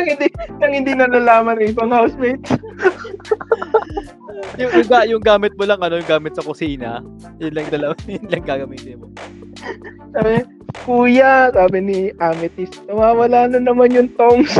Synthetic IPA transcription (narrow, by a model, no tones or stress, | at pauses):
ɐŋhɪnd̪inɐŋhɪnd̪inɐlalaːmɐnɐŋɪbɐŋhawsmejt̪s | jʊjʊɡaʔjʊŋɡaːmɪt̪̚molɐŋʔɐno̞jʊŋɡaːmɪt̪sɐkʊsiːnɐ̰ | jʊnlɐŋd̪ɐlɐwanjʊnlɐŋɡaːɡɐmiːt̪ɪnmo | kaɾɛ | kuːjɐsaːbɪniʔaːmɪt̪ɪsnɐwaːwɐlaːnɐnɐmanjʊŋt̪oŋs